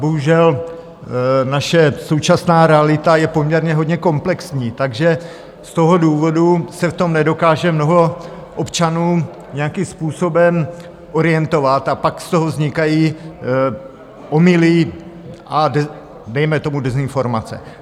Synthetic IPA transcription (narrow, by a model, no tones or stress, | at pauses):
boɦuʒɛl | naʃɛso̞wt͡ʃasnaːɾɛalɪt̪ajɛpo̞mɲɛɾɲɛɦo̞dɲɛko̞mplɛksɲiːt̪aɡʒɛ | st̪o̞ɦo̞duːvo̞dusɛft̪o̞mnɛdo̞kaːʒɛmno̞ɦo̞ | ʔopt͡ʃanuː | ɲɛjakimspuːso̞bɛm | ʔo̞ɾɪjɛnt̪o̞vat̪apakst̪o̞ɦovzɲɪkajiː | ʔo̞mɪlɪʔadɛ | dɛjmɛt̪o̞mudɛzɪnfo̞ɾmat͡sɛ̰